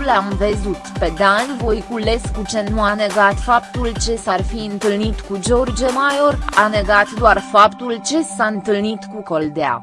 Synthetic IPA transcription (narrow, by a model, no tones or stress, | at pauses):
lamvezut̪pe̞d̪anʲvo̞jkule̞skut͡ʃe̞nuane̞ɡat̪fap̚t̪ult͡ʃe̞sarfiɨnt̪ɨlnit̪kud͡ʒo̞rd͡ʒemajo̞rane̞ɡat̪d̪oarfapt̪ult͡ʃe̞saɨnt̪ɨlnit̪kuko̞ld̪ea̰